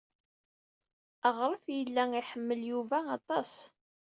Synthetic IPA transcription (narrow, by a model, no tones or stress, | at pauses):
əʁɾˤəfjəlːæiħəmːəljuvæɑt̪ˤɑs